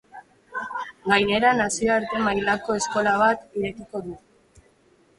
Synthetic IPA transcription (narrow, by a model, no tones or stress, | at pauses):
ɡajne̞ɾanasio̞aɾt̪e̞majlako̞e̞sko̞laβ̞at̪iɾe̞kiko̞ðu